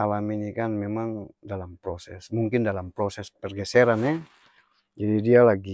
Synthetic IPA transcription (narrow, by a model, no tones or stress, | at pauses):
alaminikanmɛmaŋdalampɾɔsɛsmuŋkindalampɾɔsɛspɛrɡɛsɛɾanɛ | d͡ʒadidialaɡi